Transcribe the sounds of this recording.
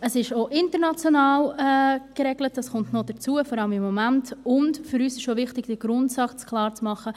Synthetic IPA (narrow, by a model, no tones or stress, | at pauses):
əsɪʃoʔɪntəɾnɑt͡sjonɑːlɛkɾɛɡlət̚d̥ɑsχʊntnod̥əɾt͡suəfɔɾɑləmɪmːɔmæntʊndfʏɾyːsɪʃovɪχtɪɡ̥d̥əɡ̥ɾʊntsɑkt͡skʰlˠɑːɾt͡smɑχə